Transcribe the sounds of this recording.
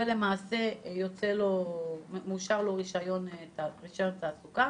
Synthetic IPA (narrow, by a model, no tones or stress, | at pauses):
ele̞maːse̞jot͡selo̞muʃaʁlo̞ʁiʃajo̞naʁiʃajo̞nt̪aːsuka